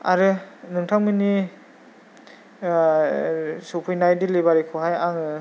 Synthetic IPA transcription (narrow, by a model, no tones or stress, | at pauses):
a̰ɾɯnɯŋtʰaŋmini | supʰɯjnajdilebaɾikʰoɦajaŋɯ